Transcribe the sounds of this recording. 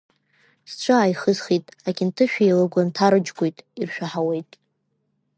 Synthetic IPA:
st͡ʃʷʰɨaːjχəzχitʼaɡʲɪntʰɨʃᶣielɨɡʷantʰaɾɨd͡ʒɡʷojtʼirʃᶣaħawe̞jtʼ

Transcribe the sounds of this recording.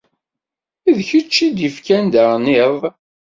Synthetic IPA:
iðçət͡ʃːid̪ifkænd̪əɾˤnɪðˤ

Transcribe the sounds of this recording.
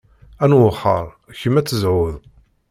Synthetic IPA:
ænwʊχːə̰ɾˤ | çəmːæt͡sːəzʕʊð

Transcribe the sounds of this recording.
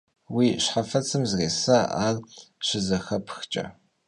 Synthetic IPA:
wiːɕħafɐt͡sʰɨmzreːsaʔaːlɕɪzɐxɐpʰxt͡ʃʼɐ̰

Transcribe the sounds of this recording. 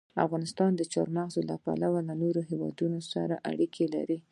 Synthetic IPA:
afɣɑnɪst̪ɑnd̪ət͡ʃɑɾmaɣzola̰pa̰lawalanoɾoɦewɑ̰d̪unosaɾaʔa̰ɽikʰela̰ɾi

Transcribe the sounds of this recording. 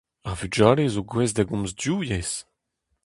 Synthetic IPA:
avyd͡ʒaːlezoɡwɛzdaɡɔ̃mzdjujɛz̥

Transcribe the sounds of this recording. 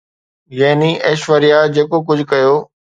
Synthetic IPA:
jɐːniʔɐːʃʋəɾijaːd͡ʑeːkok̬ʊd͡ʑʱkɐjoː

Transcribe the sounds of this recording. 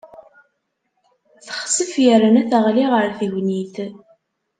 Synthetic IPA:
θəχsəfjərːanæθəʁliʁəɾθəʝniθ

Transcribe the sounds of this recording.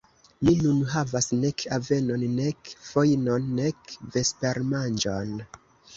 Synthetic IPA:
minunɦavasne̞kave̞no̞nːe̞kfo̞jno̞nːe̞kve̞spe̞ɾmand͡ʒo̞̰n

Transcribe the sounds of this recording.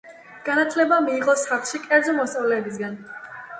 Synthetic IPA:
ɡ̥anat̪ʰlɛbamiːʁɔsaχlˠʃikʼɛɾd̪zɔmɔst̪sʼavlɛːbis̬ɡan

